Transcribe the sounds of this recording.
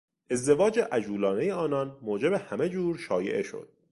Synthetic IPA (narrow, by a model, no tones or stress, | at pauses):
ʔe̞zd̪e̞vɒːd͡ʒeʔæd͡ʒuːlɒːne̞jeɒːnɒnmoːd͡ʒe̞behæme̞d͡ʒuːɾʃɒːje̞̰ʔeʃo̞̰d̪̥̚